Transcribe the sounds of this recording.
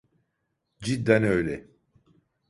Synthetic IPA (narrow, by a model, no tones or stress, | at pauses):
d͡ʒid̪ːænøjlɛ